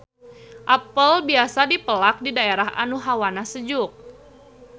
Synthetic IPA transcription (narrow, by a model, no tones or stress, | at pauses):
ʔapəlbiasadipəlak̚didaeɾaɦa̰nuɦawanasəd͡ʒʊk̚